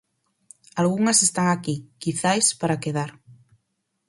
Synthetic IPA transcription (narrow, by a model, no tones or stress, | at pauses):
alɣuŋasest̪aŋakikiθajspaɾakeð̞aɾ